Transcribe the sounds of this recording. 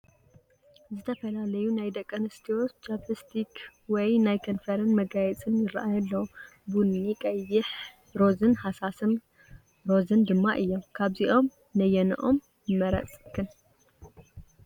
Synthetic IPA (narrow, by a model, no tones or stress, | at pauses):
zɨt̪ʰɐfɐlalɐjunajd̪ɐkʼːɐnɨst̪ʰiot͡ʃapɨst̪ʰikʰwɔjnajkʰɐnfɐɾɐnmɐɡajɛt͡sʼɨnjɪɾɐʔajɐlːɐwbunikʼɐjːɪħ | ɾo̞zɨnhasasɨm | ɾo̞zɨnd̪ɨmːa̰ʔɨjːo̞mkʰaβziʔo̞m | nɐjɛnɨ̰ʔo̞m | jɨmːɐɾɐ̰t͡sʼkʰɨn